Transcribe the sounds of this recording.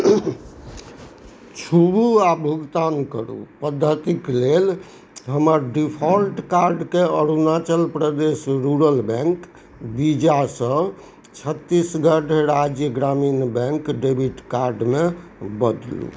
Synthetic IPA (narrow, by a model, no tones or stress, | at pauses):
t͡ʃʰubuabʱuɡt̪ankəɾṵpəd̪ʱːət̪iklel | ɦəməɾɖipʰɔlʈkaɾɖkeəɾunat͡ʃəlpɾəd̪esɾuɾəlbɛ̃ŋk | bid͡ʒasə̃ | t͡ʃʰət̪ːisɡəɖeɾad͡ʒjəɡɾaminbɛ̃ŋkɖebʱiʈkaɾɖmebəd̪lṵ